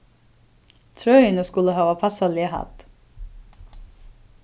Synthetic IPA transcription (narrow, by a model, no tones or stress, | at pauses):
t̪ʰɹœʏnəskʉləhɑːʋɑːpʰɑsɑlehɑ̰t̪